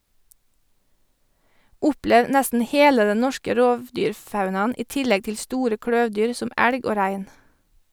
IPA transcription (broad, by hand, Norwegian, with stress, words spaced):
ˈʊpleːʋ ˈnɛstn̩ ˈheːlə ˈdɛ ˈnɔʃkə ˈɾoːʋˌdyːɾˌfɑʉnɑn̩ ˈiː ˈtɪlɛɡ ˈtɪl ˈstuːɾə ˈkɽœʋˌdyːɾ ˈsɔm ˈæɽɡ ˈoː ˈɾæɪn